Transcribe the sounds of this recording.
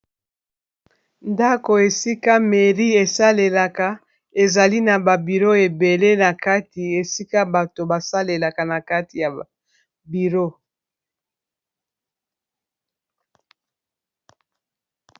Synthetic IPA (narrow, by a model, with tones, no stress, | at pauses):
nda˦ko˨e˨si˦ka˦me˨ʁi˦e˨sa˦le˨la˨ka˨ | e˨za˨li˦na˨ba˨bi˨ʁo˦e˨be˨le˦na˨ka˦ti˨e˨si˦ka˦ba˨to˨ba˨sa˦le˨la˨ka˨na˨ka˦ti˨ja˨ | bi˨ʁo˦